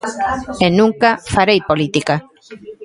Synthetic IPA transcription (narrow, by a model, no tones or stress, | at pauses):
enũŋkafaɾejpolit̪ika